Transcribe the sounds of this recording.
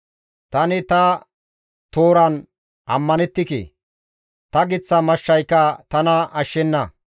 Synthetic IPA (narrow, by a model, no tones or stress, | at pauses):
t̪ɐnɪt̪ɐ | t̪oːɾɐn | ʔɐ̰mːɐnɛt̪ːɪkḛː | t̪ɐɡɪt͡sːɐmɐʃːɐjkːɐt̪ɐnɐʔɐʃːɛnːɐ